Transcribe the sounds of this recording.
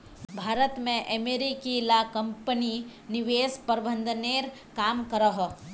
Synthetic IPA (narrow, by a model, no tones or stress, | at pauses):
bʱaːɾət̪mẽʔəmeːɾikilaːkə̃mpəninɪʋeːspəɾbə̃nd̪ʱəneːɾ | kaːmkəɾəɦo